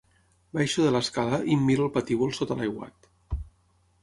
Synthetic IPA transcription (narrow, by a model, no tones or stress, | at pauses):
bajʃuðələskalaʔimːiɾəlˠpat̪iβolˠsot̪alajwa̰t̪